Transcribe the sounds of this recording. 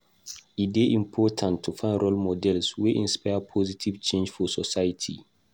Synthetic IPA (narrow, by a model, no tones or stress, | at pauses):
it̚beʔĩmpʰɔtʰãntʰːufãɪ̃nɹɔlmɔdɛlsweʔĩnspajəpʰɔzitʰiv̥t͡ʃẽnd͡ʒfɔsɔsajatʰḭ